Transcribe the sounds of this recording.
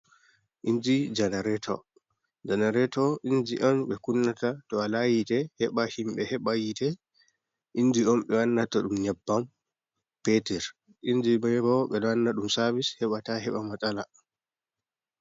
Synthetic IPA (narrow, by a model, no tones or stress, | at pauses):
ʔind͡ʒid͡ʒanaɾɛtʰɔ̰ | d͡ʒanaɾɛtɔʔind͡ʒiʔamɓɛkunːatatɔalajitɛhɛɓahimɓɛhɛɓajitɛ | ʔind͡ʒiɔmɓɛwanːatɔɗumɲabːam | petɛɾ | ʔind͡ʒibɛbɔɓɛɗɔanːaɗumsabishɛɓataɦɛɓamatʼala